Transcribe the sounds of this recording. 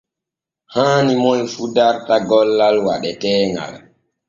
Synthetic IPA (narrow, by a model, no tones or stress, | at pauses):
haːnimɔjfudaɾtaɡɔlːalwaɗɛtɛːŋɡa̰l